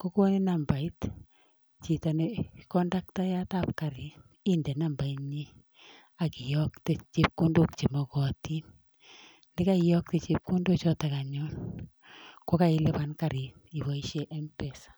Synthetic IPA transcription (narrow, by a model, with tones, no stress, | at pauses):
ko˦ko˦ni˦na˨mba˨i˦t | t͡ʃi˨ta˨ne˨kɔ˦nda˦k̚ta˦ja˦ta˦pka˨ɾi˨ | i˦ndɛ˨na˦˨mba˨i˦ɲi˦ | a˨ki˨jɔ˦kte˦t͡ʃi˦p̚ko˦ndo˦k̚t͡ʃi˨mɔ˨kɔ˨ti˦n | ni˦ka˦i˨jɔ˦k̚te˨t͡ʃi˦p̚ku˦ndo˦t͡ʃɔ˦ta˨ka˨ɲɔ˦n | ko˦ka˦ɪ˦lɪ˦ba˨nka˨ɾi˨ | i˨ba˨i˦ʃe˦ʔɛ˦mpɛ˨sḁ˨